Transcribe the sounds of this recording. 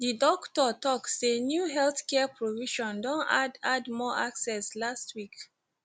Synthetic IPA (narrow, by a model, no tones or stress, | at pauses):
didɔktɔtɔktsenjuɦɛlθkɛpɹoviʃɔ̃ndɔ̃nadadmɔʔaksɛslastwik